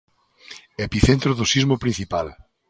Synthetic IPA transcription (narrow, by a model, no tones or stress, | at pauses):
epiθent̪ɾoðosizmopɾĩn̟θipal